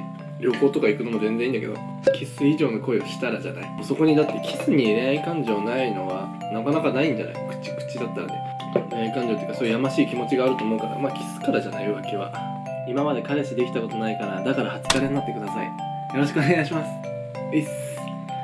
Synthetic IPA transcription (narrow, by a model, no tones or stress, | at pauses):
ɾʲo̞ko̞ːt̪o̞kaikɯ̟no̞mo̞zẽ̞nzẽĩnd̪ake̞d̪o̰ | kʰʲesɨiʑo̞ːno̞ko̞eo̞ɕi̥t̪aɾaʑa̰na̰imoso̞ko̞ɲ̟id̪at̪ːe̞kʲʰi̥sɨɲ̟ieɾeaikãɲ̟d͡ʑionaino̞βa | nakanakanaĩɲ̟d͡ʑa̰na̰ikɯ̥t͡ɕi̥kɯ̟̥t͡ɕːid̪at̪ːa̰n̰d̪ḛ | ɾeaikãɲ̟d͡ʑot̪eɯkasoːjɯ̟jamaɕiːkʲimo̞t͡ɕiɡaːɾɯ̟t̪o̞ːmoɯ̟kaɾa̰maːkʲi̥sɨ̥kaɾaʑanaiβakʲiβa̰ | imamad̪e̞kaɾe̞ɕid̪e̞kʲi̥t̪ako̞t̪o̞naikaɾad̪akaɾahat͡sɨ̥kaɾennat̪ːe̞kɯ̟d̪asaḭ | jo̞ɾo̞ɕi̥kɯoneɡaɕ̬imasɨ̥ | es